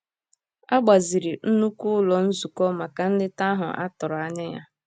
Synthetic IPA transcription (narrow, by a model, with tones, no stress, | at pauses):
a˦ɡ͡ba˨zi˨ɾi˨n̩˦nu˦kʊ˦lɔ˨n̩˦zu˨kɔ˦ma˨ka˨n̩˦dɪ˦ta˦ɦʊ̰˨ʔa̰˦tʊ˨ɾa˨nɪ˦ja˦